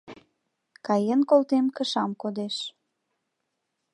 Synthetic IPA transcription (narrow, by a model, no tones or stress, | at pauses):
kɑjənkolˠt̪emkəʃɑmkod̪eʃ